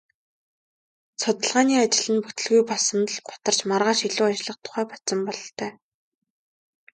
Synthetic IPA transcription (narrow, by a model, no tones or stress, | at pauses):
sʊt̪ə̆ɮʁaːniːat͡ɕɪ̆ɮɘ̆nput̪ɘ̆ɮɣujpɔsə̆nt̪ə̆ɮɢʊ̥t̪ə̆r̥t͡ɕmarʁaːʃiɮuːat͡ɕɪ̆ɮə̆q̚t̪ʰʊ̥χæːpḁt͡sɞ̆mpɔɮɞɬt̪ʰœː